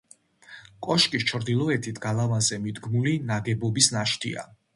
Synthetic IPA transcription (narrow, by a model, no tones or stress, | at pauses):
kʼɔʃkʼist͡ʃʰɾd̪ilˠɔɛt̪ʰit̪ʰɡ̥alˠavanzɛmid̪ɡmulinaɡɛbɔbisnaʃt̪ʰḭa̰